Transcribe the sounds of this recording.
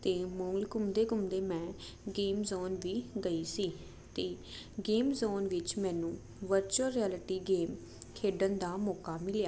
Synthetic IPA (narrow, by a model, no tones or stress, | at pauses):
t̪eːmɔ̃ːŋɡlkʊmd̪eːɡʊmd̪eːmɛ̃ː | ɡeːmzoːnʋiːɡəiːsiː | t̪eː | ɡeːmzoːnʋɪt͡ʃmɛ̃ːnũː | ʋəɾt͡ʃəɾːiɛːlɪʈiːɡeːm | kʰeːɖənd̪aːmɔːkaːmɪljaː